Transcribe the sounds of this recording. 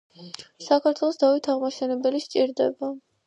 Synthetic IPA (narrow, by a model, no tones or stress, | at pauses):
sakʰaɾt̪ʰwɛlˠɔsd̪avit̪ʰaʁmaʃɛnɛbɛliʃt͡ʃʼiɾd̪ɛba